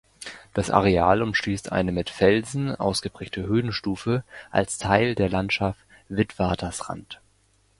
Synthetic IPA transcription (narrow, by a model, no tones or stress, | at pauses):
d̥asʔa̰ʁeaːlʊmʃliːstʰʔa̰ɪnəmɪtfɛlzn̩ʔa̰ʊsɡ̥əbʁ̥ɛːk̚tʰəɦøːnʃtuːfəʔa̰lstʰaɪldeːɐlantʃaft | v̥ɪtv̥aːɐtʰɐsʁa̰nt